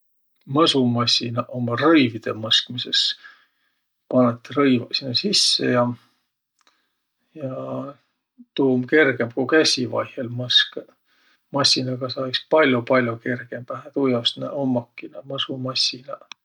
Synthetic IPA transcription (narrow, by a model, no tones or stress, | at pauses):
mɤsumɑsʲinɑʔomɑrɤjvid̪̥e̞mɤskmise̞s | pɑnːet̪ːeɾɤjvɑsʲinɑsisːḛjɑ | jɑ | t̪uːmke̞rɡ̥e̞mkukæsʲivɑ̰jhelmɤsk | mɑsʲːinɑɡ̥ɑsɑikspɑlʲjopɑlʲjoke̞rɡ̥e̞m̥æɦæt̪ujɑsnæ̰ʔomːɑkːˑinɑmɤsumɑsʲinɑ